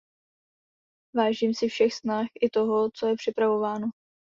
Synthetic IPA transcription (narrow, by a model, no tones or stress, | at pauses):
vaːʒiːmsɪfʃɛxsnaxʔɪt̪o̞ɦot͡so̞jɛpr̥ɪpɾavo̞vaːno